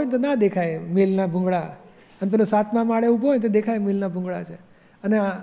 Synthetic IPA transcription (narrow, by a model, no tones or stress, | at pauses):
jnt̪onad̪ekʰajmelnabʱũŋɡɭa | ənep̬ɛlosat̪ʰmãmaɭeubʱojnt̪̬od̪ekʰajmelnabʱũŋɡɭa̰t͡ʃʰe | ənea